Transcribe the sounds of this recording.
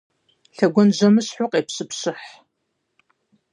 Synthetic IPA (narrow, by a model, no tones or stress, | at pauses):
ɬɐɡʷɔnʑɐmɨɕħʊqʼeːpɕɨpɕɨħ